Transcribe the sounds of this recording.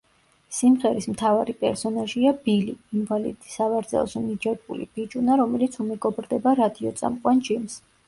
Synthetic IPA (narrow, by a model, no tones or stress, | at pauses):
simʁɛɾismt̪ʰavaɾipʼɛɾsɔnaʒiabiliːnvalḭd̪i̥savaɾd̪zɛ̰lˠsumid͡ʒɛɾbṵlḭb̥id͡ʒʼunaɾɔmɛlit̪sʰumɛɡɔbɾd̪ɛbaɾad̪iɔt̪sʼa̰mqʼwand͡ʒims